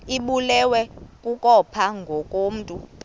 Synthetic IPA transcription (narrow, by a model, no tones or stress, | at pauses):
iɓulɛwɛkʼukʼɔpʰaŋɡʱɔkʼoːm̩ːtʼu